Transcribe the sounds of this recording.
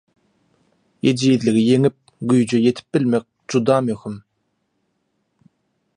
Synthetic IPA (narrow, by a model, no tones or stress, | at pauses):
jed͡ʒijiðlɪɡijeŋip̚ɡyjd͡ʒyjet̪ʰi̥p̚bilʲmek̚d͡ʒud̪ɑːmyxym